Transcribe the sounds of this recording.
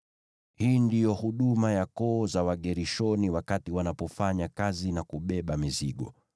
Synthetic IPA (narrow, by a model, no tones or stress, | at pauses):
hiːndijɔhuɗumajakɔːzawaɠɛɾiʃɔniwakatiwanapɔfaɲakazinakuɓɛɓamiziɠɔ̰